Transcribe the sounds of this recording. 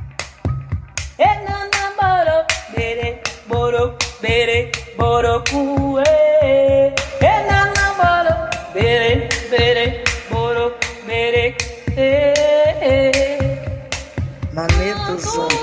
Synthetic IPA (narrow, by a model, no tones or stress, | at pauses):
enanaboɾobeɾeɡ͡boɾobeɾeboɾokueenanabɔɾobeɾebeɾeboɾobeɾeee | mamebozo